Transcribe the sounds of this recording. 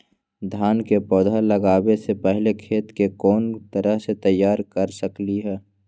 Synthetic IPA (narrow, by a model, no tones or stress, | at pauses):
d̪ʱaːnkepɔːd̪ʱaləɡaːwesepɛɦlekʰeːt̪kekɔːnt̪əɾəɦset̪əjːaːɾkəɾsəkliɦɛː